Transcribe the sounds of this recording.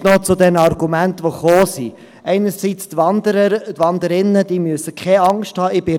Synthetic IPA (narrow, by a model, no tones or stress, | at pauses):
nɔt͡sʊd̪ɛnɑrɡ̥umæntʋoχoːsi | ɛɪnəɾsit͡st̪ʋɑndəɾətʋɑnd̪əɾɪnːəd̥iːmyəsəkχɛɑŋsthɑːɪb̥ɪ